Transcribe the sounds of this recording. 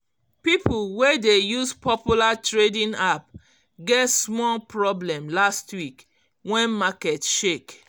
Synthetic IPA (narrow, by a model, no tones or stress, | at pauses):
pipulwedejuspɔpjulatɹedĩnap̚ | ɡɛtsmɔlpɹɔblɛ̃mlastwik | wɛ̃nmakɛtʃek